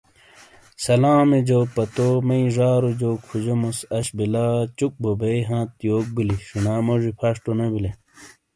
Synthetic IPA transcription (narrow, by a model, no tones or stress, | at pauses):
sɐlaːmed͡ʑoːpɐt̪omɐĩʐaːɾod͡ʑoːkʰud͡ʑomosɐɕbilat͡ɕuk̚bobɐiɦãːt̪joːk̚biliɕunaːmoʐipʰɐʂʈonɐbile